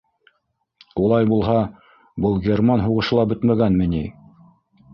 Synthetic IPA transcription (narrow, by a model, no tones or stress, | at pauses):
ulˠɑjbulˠɦɑ | bɤlˠɡʲermɑnɦuʁɤ̆ʃɤ̆lˠɑbɵt̪mæɡænmɘ̆ni